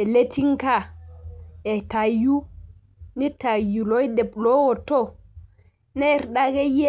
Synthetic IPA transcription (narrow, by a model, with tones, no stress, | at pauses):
ɛ˨le˦tʰi˦ŋka˨ | ɛ˨ta˨ju˦ | ni˦ta˨ju˨lɔ˦jdɛ˨blɔ˦wɔ˨tːɔ˦ | nɛ˦ɾɗaɡɛ˦je˦